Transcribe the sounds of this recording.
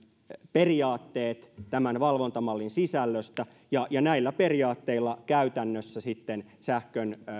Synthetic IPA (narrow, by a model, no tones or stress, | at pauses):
periɑːt̪ːeːt̪t̪æmænʋɑlʋont̪ɑmɑlːinsisælːøst̪æ | jɑjɑnæilːæpe̞riɑːt̪ːeilːɑkæyt̪ænːøsːæsit̪ːensæhkøn